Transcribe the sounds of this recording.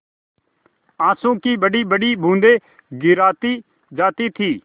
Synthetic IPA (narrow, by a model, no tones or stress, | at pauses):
ãːsũkibɐɖibɐɽibʱũːnd̪e | ɡɪɾaːt̪i | d͡ʒaːt̪it̪ʰiː